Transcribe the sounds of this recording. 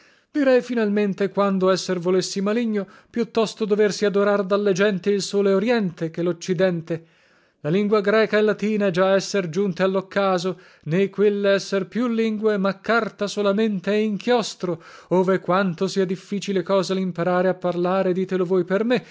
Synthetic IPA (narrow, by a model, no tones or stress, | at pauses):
d̪̥iɾɛjfinalment̪ekwand̪oɛsːervolesːimaliɲːo | pjut̪ːɔst̪od̪oversiad̪oɾard̪alːed͡ʒɛnt̪iilsoːleoɾjɛnt̪ek̟elot͡ʃːid̪ɛnt̪e | laliŋɡwaɡɾɛːkaelːat̪iːnad͡ʒaɛsːerd͡ʒunt̪ealːokːaːzo | nekwelːeɛsːerpjulːiŋɡwemakːart̪asolament̪eɛiŋkʰjɔst̪ɾooːvekwant̪osiːad̪ifːiːt͡ʃilekɔːzalimpaɾaːɾeapːarlaːɾed̪iːt̪elovoːjperme